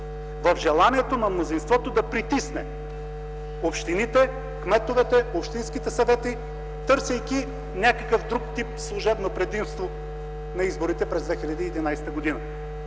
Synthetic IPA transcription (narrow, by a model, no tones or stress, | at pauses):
vɐfʒɛlˠaniɛt̪onɐmnozinst̪vɔt̪od̪ɐpɾit̪isnɛ | opʃt̪init̪ɛ | kmɛt̪ovɛt̪ɛopʃt̪inskit̪ɛsɐvɛt̪i | t̪ɤɾsʲɐjkʲi | nʲakɐkəfd̪ɾukt̪ip̚slˠʊʒɛbnopɾɛd̪imst̪vo | nɐizboɾit̪ɛpɾɛzd̪vɛxilʲɐd̪iːd̪inajsɛ̥t̪əɡod̪inɐ